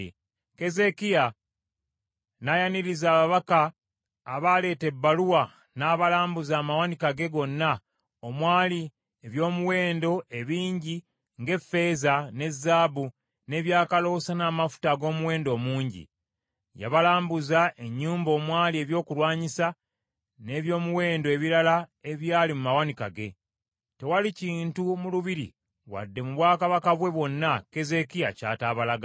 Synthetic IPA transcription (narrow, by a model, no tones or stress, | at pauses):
ke̞ze̞kija | najaniɾizaːβaβakaː | βale̞ːte̞bːaluwa | naːβalaːmbuzaːmawanikaɡe̞ɡo̞nːa | omwaːli | eβjo̞ːmuwe̞ːndo̞ʔe̞βiːɲɟi | ŋɡe̞fe̞ːzane̞zːaːbu | ne̞ːβjaːkalo̞ːsanaːmafu̥taɡo̞ːmuwe̞ːndo̞ːmuːɲɟḭ | ja̰βalaːmbuzaʔe̞ɲːuːmbo̞ːmwaːlie̞ːβjo̞ːkulwaːɲisa | ne̞ːβjo̞ːmuwe̞ːndoe̞βiɾalae̞βjaːlimumawanika̰ɡe̞ | tewaliciːntumuluβiɾḭ | wa̰dːe̞muβwaːkaβakaβwe̞βwo̞nːake̞ze̞kijaca̰ːtaːβalaɡa